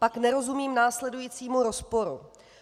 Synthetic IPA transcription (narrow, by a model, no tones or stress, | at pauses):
paknɛɾo̞zumiːmnaːslɛdujiːt͡siːmuɾo̞spo̞ɾṵ